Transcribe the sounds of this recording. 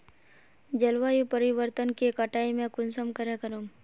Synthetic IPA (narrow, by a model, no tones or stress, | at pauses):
d͡ʒəlʋajupəɾɪʋəɾt̪ənkekəʈaːimẽkʊnsəmkəɾekəɾom